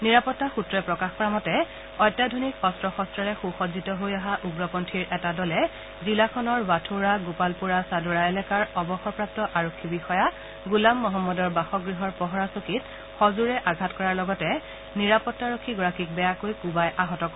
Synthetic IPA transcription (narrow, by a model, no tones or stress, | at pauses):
niɹapɔtːaxutɹɛpɹɔkaxkɔɹamɔtɛ | ɔjtːadʱonikɔstɹɔxɔstɹɔɹɛxuxɔzitɔɦojaɦaʔuɡɹɔpɔntʰiɹʔɛtadɔlɛ | zilakʰɔnɔɹbatʰuɹaɡupalpuɹasaduɹaelɛkaɹɔbɔxɔɹpɹap̚tɔʔaɹokʰːibixɔja | ɡulamːɔɦɔmːɔdɔɹbaxɔɡɹiɦɔɹpɔɦɔɹasokit | xɔzuɹɛʔaɡʱatkɔɹaɹlɔɡɔtɛ | niɹapɔtːaɹokʰːiɡɔɹakik̚bɛjakojkubajʔaɦɔtɔkɔ